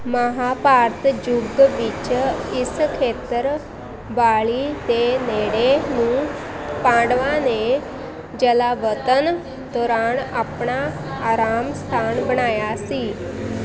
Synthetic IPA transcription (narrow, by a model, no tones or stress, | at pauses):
məɦapaɾt̪d͡ʑuɡɡʋit͡ɕiskʰet̪əɾ | baɭit̪eneɽemũː | pãɖʋane | d͡ʑɛlaʋət̪ən | t̪ɔɾanapɳaː | ɾamst̪ʰanbəɳajasiː